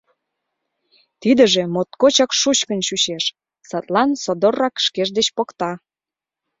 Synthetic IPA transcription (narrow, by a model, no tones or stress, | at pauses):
t̪id̪ə̆ʒemot̪kot͡ɕɑkʃut͡ɕkə̆nɕuɕeʃ | sɑt̪lɑnsod̪orːɑkʃkeʒd̪et͡ɕpokt̪ɑ